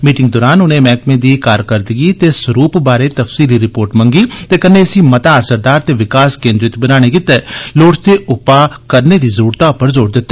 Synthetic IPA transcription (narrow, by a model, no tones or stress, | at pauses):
miːʈɪ̃ŋɡd̪ɔːɾaːnʊnẽːmɛːkmẽːd̪iːkaːɾkəɾd̪əɡit̪eːsəɾuːpbaːɾeːt̪əfsiːliɾɪpoːɾʈməŋɡiːt̪eːkənːeːəsĩːmət̪aːəsəɾd̪aːɾt̪eːʋɪkaːskẽːnd̪ɾɪt̪bənaːɽ̃eːkɪt̪ːɛːloːɽst̪eːʔʊpaːkəɾneːd̪iːzəɾuːɾt̪aʊpəɾzoːɾd̪ɪt̪ːaː